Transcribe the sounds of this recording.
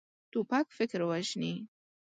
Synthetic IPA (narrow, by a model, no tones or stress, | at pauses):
t̪upakfɪkɾwaʃni